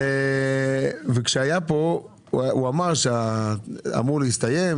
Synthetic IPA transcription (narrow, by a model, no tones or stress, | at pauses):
e | vekʃeajapo | uamaʁʃea | a̰muʁlehist̪aje̞m